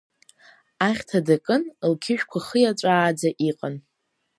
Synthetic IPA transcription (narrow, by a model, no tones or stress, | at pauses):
aχʲtʰadakʼɨnlkʲʰɪʃᶣkʷʰaχəjat͡ʃʷʼaːd͡zaʔiqʼan